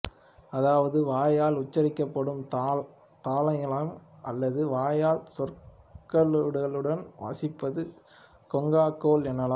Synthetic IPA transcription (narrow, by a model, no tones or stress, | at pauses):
ɐðaːʋɐðɯʋaːjaːlʊt͡ʃːɐɾɪkːɐpːɐɽɯmt̪ː | t̪aːlɐŋɐlaːmʔɐlːɐðɯʋaːjaːlsɔr | kɐɭɽɐɭɯɽɐnʋa̰ːsɪpːɐðɯ | kɔŋɡaːkoːlɛnːɐlaː